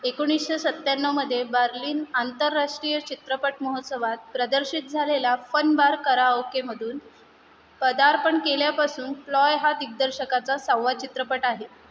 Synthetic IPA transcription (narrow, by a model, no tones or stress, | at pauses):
ekoɽ̃isɕesət̪ːaɳːəməd̪ʱːjebəɾliːnant̪əɾːaʂʈɾijət͡ɕit̪ɾəpəʈməɦot̪səʋat̪̚pɾəd̪əɾɕit̪̚d͡zʱalelafənbaɾkəɾaowkeməd̪ʱuːn | pəd̪aɾpəɳkeljapasuːnflɔjɦat̪iɡ̚d̪əɾɕəkat͡sasawːat͡ɕit̪ɾəpəʈaɦe